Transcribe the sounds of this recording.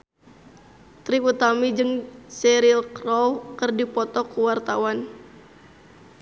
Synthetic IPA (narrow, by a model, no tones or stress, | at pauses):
t̪ɾiut̪amid͡ʒɨŋsɛɾilkrɔwkɨrdipɔt̪ɔkuwart̪awan